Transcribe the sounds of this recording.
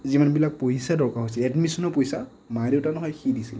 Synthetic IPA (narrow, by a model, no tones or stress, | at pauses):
zimanbilak̚pojsadɔɹkaɦojsilɛdmisɔnɔpojsa | maɹiwtanɔɦɔjxidisil